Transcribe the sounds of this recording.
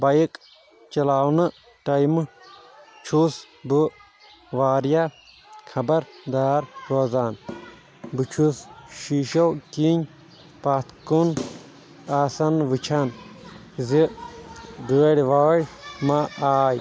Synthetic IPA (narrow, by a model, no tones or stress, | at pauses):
bɐjik | t͡ʃɐlaːwnɨ | ʈɐjmɨ | t͡ʃʰus | bɨ | ʋaːɾja | kʰɐbɐɾd̪aːɾɾoːzaːn | bɨt͡ʃʰusʃiːʃowkiɲʲ | paːt̪kun | aːsɐnʋɨt͡ʃʰan | zi | bəːɽʲʋaːɽʲmaaːj